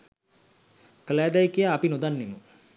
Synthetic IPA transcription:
kəlaːd̪ajkijaːpinod̪anːemə

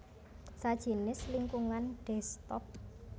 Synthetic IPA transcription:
sad̥ʒ̥i̤nɪsliŋkuŋanɖ̥ɛst̪ɔp̚

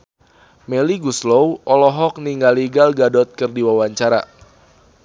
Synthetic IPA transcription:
meliɡuslowʔɔlɔɦɔk̚niŋɡaliɡalɡadɔt̪̚kɨrdiwawaɲt͡ʃaɾa̰

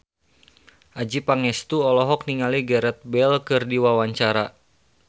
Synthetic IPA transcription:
ʔad͡ʒipaŋɛst̪uɔlɔɦɔk̚niŋaliɡɛɾɛt̪̚bɛlkɨrdiwawaɲt͡ʃaɾa

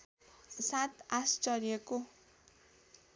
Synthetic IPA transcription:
sat̪ast͡sʌrjʌko

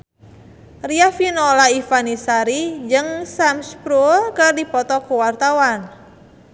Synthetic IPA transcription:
riafinɔlaifanisaɾid͡ʒɨŋsamspɾulkɨrdipɔt̪ɔkuwart̪awan

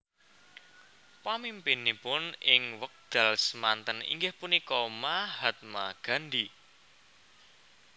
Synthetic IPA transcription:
pamimpinipʊnɪŋwək̚d̪̥a̤lsəmant̪ənḭŋɡɪhpunikɔmahat̪̚maɡ̥a̤nd̪i

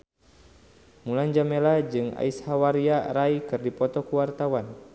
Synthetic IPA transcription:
muland͡ʒamelad͡ʒɨŋa̰ishawaɾiaɾaikɨrdipɔt̪ɔkuwart̪awan

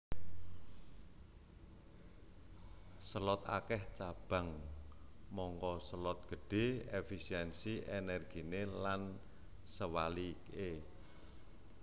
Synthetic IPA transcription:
səlɔt̪a̰kɛht͡ʃab̥a̤ŋ | mɔŋkɔsəlɔt̪̚ɡ̥ə̤ɖ̥e̤efisiɛnsiʔenɛrɡ̥i̤nelan | səwalike

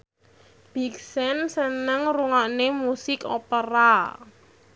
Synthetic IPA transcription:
b̥i̤ksɛnsənəŋruŋaʔnemusɪko̰pəɾa

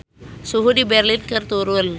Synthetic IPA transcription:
suɦudibeɾlinkəɾt̪oɾul

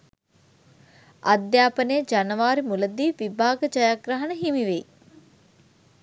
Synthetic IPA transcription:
ʔad̪jaːpənejəd͡ʒanəʋaːɾimuləd̪iːʋibʱaːɡəd͡ʒajaɡɾəɦənəɦimiʋej

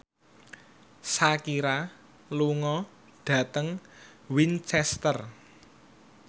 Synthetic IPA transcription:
sakiɾa | luŋɔ | ɖ̥ä̤t̪əŋwint͡ʃɛst̪ər

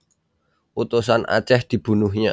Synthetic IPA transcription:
ut̪usana̰t͡ʃɛhd̪̥i̤b̥ṳnuhɲa

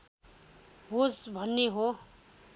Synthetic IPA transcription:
ɦosbʱʌnːeɦo

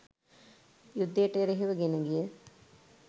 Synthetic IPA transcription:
jud̪ːəjəʈəɾeɦiʋəɡenəɡijə

